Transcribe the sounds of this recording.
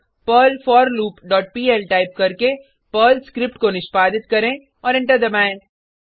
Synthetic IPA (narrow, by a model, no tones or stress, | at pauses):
pəːlfɔːɾluːpɖɔːʈ̚piːɛlʈaːɪp̚kɐɾke | pəːlskɾɪpʈkonɪʃpaːd̪ɪt̪kɐɾẽ | ɔːɾɪ̃ɳʈəɾd̪ɐbaːẽː